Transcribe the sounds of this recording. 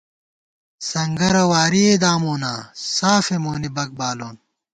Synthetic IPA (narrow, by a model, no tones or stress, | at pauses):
sɐŋɡɐɾɐwaːɾied̪aːmoːnaːsaːfemoːnibɐk̚baːloːn